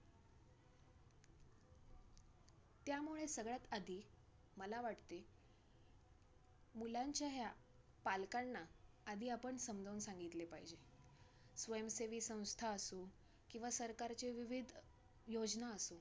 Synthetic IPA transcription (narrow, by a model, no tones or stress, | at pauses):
t̪jamuɭesəɡɭjat̪ad̪ʱiː | məlaʋaʈt̪e | mulaɲt͡ɕjaɦja | palkaɳnaː | d̪ʱiːapəɳsəmd̪ʱəwnsãŋɡit̪lepaɦid͡ʑe | sʋəjəmseʋiːsə̃w̃st̪ʰaəsu | kĩw̃ʋasəɾkaɾt͡ɕeʋiʋid̪ʱ | jod͡ʑnaəsu